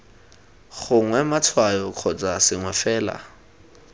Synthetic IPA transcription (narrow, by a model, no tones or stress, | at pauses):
χʊŋwɛmat͡sʰwajɔkʰɔt͡sʼasɪŋwɛfɛːla̰